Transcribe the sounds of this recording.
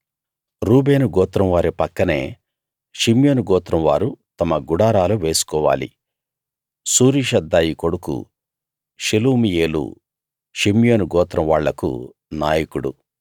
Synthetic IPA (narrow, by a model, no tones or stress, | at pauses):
ɾuːbeːnuɡɔːt̪ɾɐmʋaːɾipɐkːɐne̞̰ː | ʃimjoːnuɡɔːt̪ɾɐmʋa̰ːɾut̪ɐmɐɡuɽaːɾaːluʋe̞ːsu̥kɔːʋa̰ːlḭ | suːɾiʃɐd̪ːaːjiko̞ɽukṵ | ʃiluːmijeːlṵ | ʃimjoːnuɡɔːt̪ɾɐmʋaːɭːɐkṵ | naːjikuɽṵ